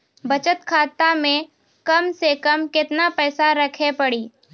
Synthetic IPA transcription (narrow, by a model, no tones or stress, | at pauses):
bɐt͡ʃət̪kʰaːt̪amẽ | kɐmsekɐmkɪt̪napɛːsaɾɐkʰepɐɽiː